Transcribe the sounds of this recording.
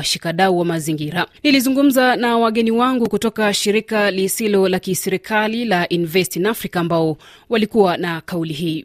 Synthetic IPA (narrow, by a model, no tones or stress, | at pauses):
aʃikaɗauwamaziŋɡiɾanilizuŋɡum̩zanawaɠɛniwaŋɡukutɔkaʃiɾikalisilɔlakisɛɾikʰalilaʔinivɛstinafɾikaːmbaɔ | walikuwanakauliɦiː